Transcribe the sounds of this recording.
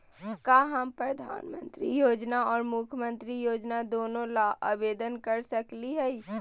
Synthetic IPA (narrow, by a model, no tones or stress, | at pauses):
kaɦəmpɾəd̪ʱa̰ːnmə̰̃nt̪ɾijoːd͡ʒnaɔːɾmukʰmə̃nt̪ɾijoːd͡ʒnad̪oːnõlaʔəbeːd̪ənkəɾsəkliɦɛi